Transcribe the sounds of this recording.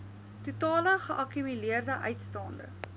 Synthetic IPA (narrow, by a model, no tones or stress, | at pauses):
tutɑːləχəʔɐkymyliərdəʔœɥtstɑːndə̰